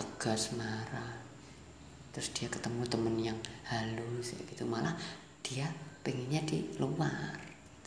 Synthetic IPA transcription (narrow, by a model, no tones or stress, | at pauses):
t̪əɡ̥asmaɾah | t̪ɾʊsd̥iakət̪əmut̪əmənjaŋhalusa̰ɡ̥it̪umalah | d̥iapəŋiɲadiluwar